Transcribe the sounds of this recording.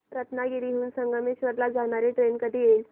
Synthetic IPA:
ɾət̪naɡiɾiɦuːnsəŋɡəmiɕʋəɾlad͡zaɳ̃aɾeʈɾenkəd̪ijeil

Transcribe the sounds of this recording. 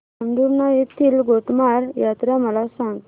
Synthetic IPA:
ənd̪uɾnajet̪ʰiːlɡoʈmaɾjat̪ɾjaməlasãŋɡ̪

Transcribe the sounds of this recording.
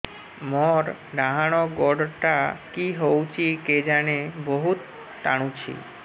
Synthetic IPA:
mɔɾɖaɦaɽ̃ɔɡɔɖʈakiɦowt͡ɕʰiked͡ʑaneboɦut̪ː | a̰ɽ̃ut͡ɕʰḭ

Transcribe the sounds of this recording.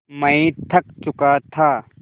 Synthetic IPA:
mɐĩt̪ʰɐk̚t͡ʃʊkat̪ʰaː

